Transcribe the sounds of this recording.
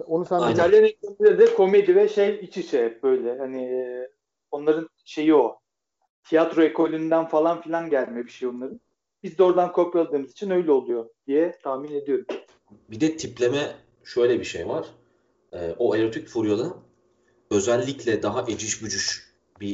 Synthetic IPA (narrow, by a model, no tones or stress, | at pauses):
onusaj̪ʰalʲenet͡ʃinilʲeɾid̪ɛkʰo̞me̞d̪ivɛʃejit͡ʃʰit͡ʃʰɛp̚bø̞jlʲɛhaniː | o̞nlˠaɾɯn | ʃe̞jio | t̪ʰijat̪ɾo̞ekʰo̞lʲynd̪ænfalˠanfilʲanɟælʲmɛbiʃejonlˠaɾɯn | bizd̪ɛo̞ɾd̪ankʰo̞palˠd̪ɯːmɯzit͡ʃʰinø̞jlʲɛo̞lˠujo̞d̪̥ijɛt̪ʰahmine̞d̪ijo̞ɾum | bid̪ɛt̪ʰiplʲemɛ | ʃø̞jlʲɛbiʃḛjvaɾ̥ | ɛːoeɾot̪ʰicfuɾjalˠɯ | ø̞zælʲːiclʲɛd̪aɦaʔed͡ʒiʃbyd͡ʒyʃ | bi